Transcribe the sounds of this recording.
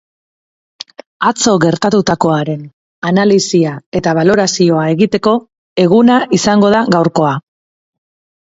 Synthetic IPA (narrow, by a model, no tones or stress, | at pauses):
at͡so̞ɣe̞ɾt̪at̪ut̪ako̞aɾe̞n | analisiae̞t̪aβ̞alo̞ɾasio̞ae̞ɣit̪e̞ko̞ | e̞ɣ̞unaʔisaŋɡo̞ð̞aɣawɾko̞a